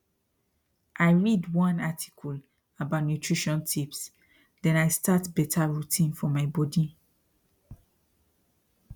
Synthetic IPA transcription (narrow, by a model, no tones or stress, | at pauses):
ʔaɪɹidwɔ̃natʰi̥kʰɔl | abaʊtnjutʰɹiʃɔ̃ntʰips | dɛ̃najstatbɛtʰaɹutʰĩnfɔmaɪbɔdi